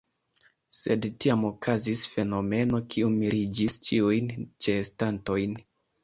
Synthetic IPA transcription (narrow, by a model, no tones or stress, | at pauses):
se̞dtiamo̞kʰazisfe̞no̞me̞no̞kʰiumiɾid͡ʒist͡ʃiujnt͡ʃe̞ːstanto̞jn